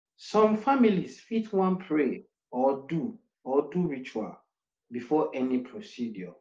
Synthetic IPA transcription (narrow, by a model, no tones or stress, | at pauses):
sɔ̃mfamilisfitʰwãnpʰɹe | ɔdu | ɔduɹit͡ʃua̰l | bifɔʔɛnipʰɹosidjɔ